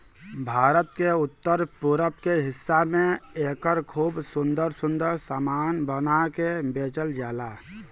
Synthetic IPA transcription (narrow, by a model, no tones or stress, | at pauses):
bʱaːɾət̪keʊt̪ːəɾpuɾəpkeɦɪsːamẽeːkəɾkʰuːbsʊnd̪əɾsʊ̃nd̪əɾsaːmaːnbənakebeːt͡ʃəld͡ʒaːla